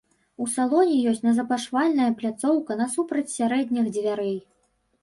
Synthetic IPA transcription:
usalˠɔnʲijɔsʲt͡sʲnɐzɐpaʂvalʲnɐjɐplʲat̪sɔwkɐnɐsupɾɐt͡sʲsʲaɾɛd̪ʲnʲixd͡zʲvʲaɾɛj

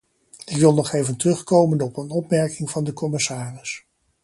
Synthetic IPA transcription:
ɪkʋɪlˠnɔχejvəntərɵχkowmənɔpənɔpmɛɹkɪŋvɑndəkɔmɪsaːrɪs

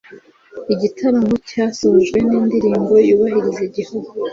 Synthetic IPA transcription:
iɟitʰaɾaŋucaːsoʒɡwe̞niːndiɾiːmbo̞juːβaɦiɾiziɟihoɾo

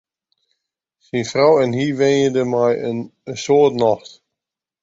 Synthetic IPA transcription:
sinfrawɛnhiʋenjədəmajənsoətnɔxt

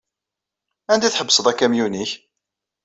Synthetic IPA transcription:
ænd̪æθħəbːsəðˤækːæmjuniç

